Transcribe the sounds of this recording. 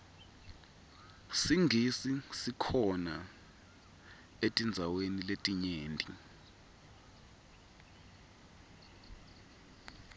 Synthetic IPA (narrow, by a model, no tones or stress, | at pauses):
siŋʱisisikʰɔna | etʼind͡zʱaweniletʼiɲeːntʼi